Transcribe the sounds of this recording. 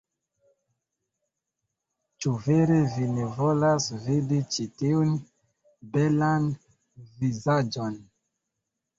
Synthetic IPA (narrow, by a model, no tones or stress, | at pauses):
t͡ʃuveɾevinevo̞lasvidit͡ʃitiun | belan | vizad͡ʒon